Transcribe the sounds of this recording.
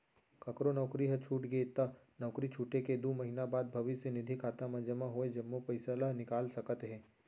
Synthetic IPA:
kɐkɾonɔːkɾiɦɐt͡ʃʰuːʈɡəet̪ɐ | nɔːkɾit͡ʃʰuːʈeked̪oːmɐɦinabaːd̪̚bʱɐʋɪsjenɪd̪ʱikʰaːt̪amɐd͡ʒəmaɦoed͡ʒɐmːopɐɪsəlaɦnɪkaːlsɐkət̪ɦɛ̃ː

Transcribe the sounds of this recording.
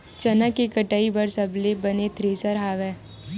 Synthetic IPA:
t͡ʃɐnakekɐʈaːibɐɾsɐblebɐnet̪ʰɾeːsəɾɦaːʋɛ̃ː

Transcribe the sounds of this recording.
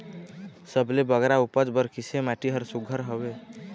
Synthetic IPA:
səblebəɡɾaupəd͡ʒbəɾkisemaʈiɦəɾsuɡʱəɾɦəbe

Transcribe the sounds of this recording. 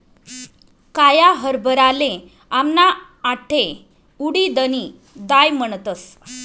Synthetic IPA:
kajaɦəɾbəɾalẽ | amna | aʈʰe | uɽid̪əni | d̪ajməɳt̪əs

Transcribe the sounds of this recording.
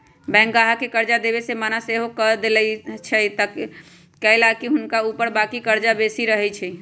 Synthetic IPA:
bɛ̃ŋkɡaɦakekəɾd͡ʒad̪ebesemanaseɦokəd̪elɛt͡ʃʰɛt̪əkː | ɛlakiɦʊnkaupəɾbakikəɾd͡ʒabesiɾəɦɛt͡ʃʰɛ

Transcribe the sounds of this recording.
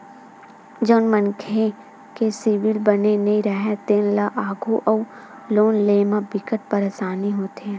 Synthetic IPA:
d͡ʒəːnmənkʰe | kesɪʋɪlbənenɐĩɾəɦɛt̪eːnlaʔaːɡʱoʔɔː | loːnleːmãbɪkəʈ̚pəɾesaːniɦoːt̪ɛ̃

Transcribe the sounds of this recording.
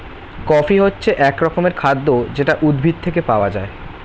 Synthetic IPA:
kɔfiɦotːɕʰeʔɛkɾɔkomeɾkʰad̪ːod͡ʑeʈaʔud̪bʱit̪̚t̪ʰek̬epaoad͡ʑae

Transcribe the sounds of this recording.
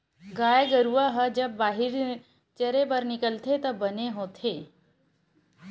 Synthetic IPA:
ɡaːjeɡəɾuʋaɦəd͡ʒəbːaːɦɪɾ | t͡ʃəɾebəɾnɪkəlt̪ʰet̪ɐbəneɦoːt̪ʰe

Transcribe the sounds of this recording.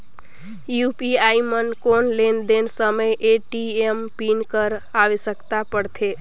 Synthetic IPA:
jupiaimənkonlend̪ensəməjʔeʈiempinkəɾaʋesəkt̪apəɽt̪ʰe

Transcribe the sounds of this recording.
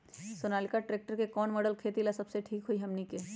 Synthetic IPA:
soːnaːlɪkaʈɾeːk̚ʈəɾkekɔːnmɔːɖəlkʰeːt̪ilasɐbseʈʰiːkɦuiɦɐmnike

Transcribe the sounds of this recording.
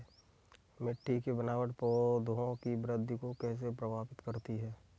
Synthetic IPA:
mɪʈːikebənaːʋəʈpɔd̪ʱoõkibɾəd̪ʱːkokɛːs̬epɾəbʱaːpɪt̪kəɾt̪iɦɛː

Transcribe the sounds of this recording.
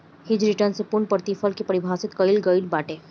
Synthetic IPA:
hɪd͡ʒɾiʈəɾnsepʊɾɳpəɾt̪ifʰəlkipəɾɪbʱaːsɪt̪kəɪlɡəɪlbaːʈe

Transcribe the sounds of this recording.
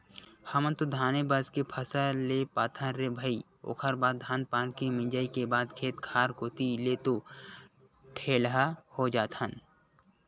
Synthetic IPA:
həmənt̪od̪ʱaːnebaːzkepʰəsalepaːt̪ʰəɾebʱəi | o̰ːkʰəɾbaːd̪̚d̪ʱaːnpaːnkemɪ̃d͡ʒaːikebaːd̪kʰeːt̪kʰaːɾkoːt̪ilet̪o | ʈʰeːlɦahod͡ʒaːt̪ʰən

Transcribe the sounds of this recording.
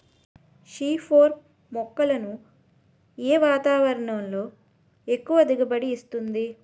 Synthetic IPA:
ʃiːpʰoːɾ | mɔkːɐlɐnu | eːʋaːt̪aːʋɐɾɐɳɐmlo̞ː | e̞kːuʋɐd̪iɡɐbɐɽiːst̪und̪i

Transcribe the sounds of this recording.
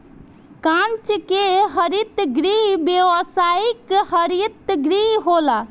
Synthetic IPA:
kãnt͡ʃkeɦəɾit̪ɡɾibewəsaikhəɾit̪ɡɾiɦɦola

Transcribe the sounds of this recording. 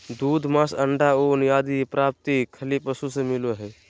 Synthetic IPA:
d̪uːd̪ʱmasəɳɖaonjaːd̪ipɾap̚t̪ikʰəlipəsusẽmiloɦɛ

